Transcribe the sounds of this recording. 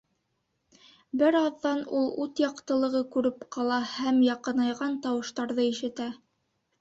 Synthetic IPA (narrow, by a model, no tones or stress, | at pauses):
bɘɾɑðːɑnulˠʉt̪jɑqt̪ɤ̆lˠɤ̆ʁɤkʉɾɘpqɑlˠɑhæmjɑqɤ̆nɑjʁɑnt̪ɑwɤ̆ʃt̪ɑɾðɤiʃɘ̆t̪æ